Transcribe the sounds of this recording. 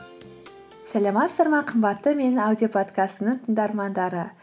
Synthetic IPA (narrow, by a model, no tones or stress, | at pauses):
sælɑmɑt̪sd̪ɑɾmɑqʰəmbɑt̪ːəme̞nawd̪ijopʰo̞t̪kast̪ənəɴt̪ʰəɴd̪ɑɾmɑnd̪ɑɾə